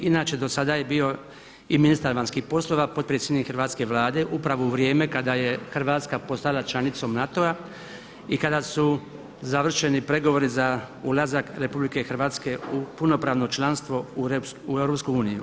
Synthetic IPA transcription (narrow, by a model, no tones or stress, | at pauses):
inaːt͡ʃe̞d̪o̞sad̪aje̞bio̞ | iminist̪aɾʋanskihpo̞slˠo̞ʋapo̞d̪̚pɾjetsʲjed̪nikxrɾʋaːt̪ske̞ʋlaːd̪e̞ʔupɾaʋouʋɾje̞ːme̞kad̪aje̞xɾ̩ʋaːt̪skapo̞st̪alˠat͡ʃlanit̪so̞mnat̪o̞a | ikad̪asu | zaʋr̩ʃe̞nipɾe̞ɡo̞ʋo̞ɾizaulˠazakɾe̞publikexr̩ʋaːt̪ske̞upuno̞pɾaːʋno̞t͡ʃlˠanst̪ʋo̞uuevɾopskojuːniju